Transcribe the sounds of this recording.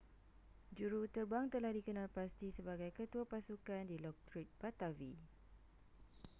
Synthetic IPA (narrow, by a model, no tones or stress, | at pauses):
d͡ʒuɾut̪ərbaŋt̪əlahdikənãlpast̪isəbaɡajkət̪uapasukandilɔk̚t̪ɾit̪̚pat̪avi